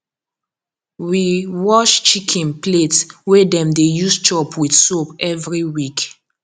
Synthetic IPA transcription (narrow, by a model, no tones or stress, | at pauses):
wiwɔʃt͡ʃikʰɛ̃npletwedɛ̃mdejust͡ʃɔpʰwidsopɛvɹiwik